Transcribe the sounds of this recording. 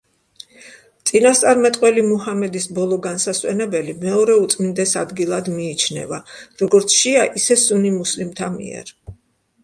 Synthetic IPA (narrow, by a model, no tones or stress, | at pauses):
t̪sʼinast̪sʼaɾmɛt̪ʼqʼwɛlimuɦamɛd̪isbɔlˠɔɡansaswɛ̰nɛbɛlimɛɔɾɛut̪sʼmind̪ɛsa̰d̪ɡilˠad̪miːt͡ʃʰnɛ̰vaɾɔɡɔɾt̪sʰʃiaʔisɛsunimuslimt̪ʰamḭɛ̰ɾ